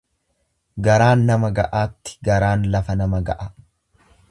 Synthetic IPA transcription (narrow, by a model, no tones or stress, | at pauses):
ɡɐɾaːnːɐmɐɡɐʔaːt̪ːɪ̥ɡɐɾaːnlɐfɐnɐmɐɡɐʔɐ